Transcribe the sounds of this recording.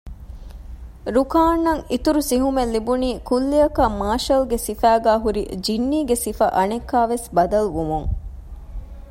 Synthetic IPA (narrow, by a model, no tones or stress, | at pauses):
ɾukaːnːɐŋit̪uɾusiɦumelːibuniːkulːijɐkɐmaːʃɐlɡesifæːɡæːɦuɾḭd͡ʒinːiːɡesifɐ̰ʔɐnekːaːʋesbɐd̪ɐluʋumuŋ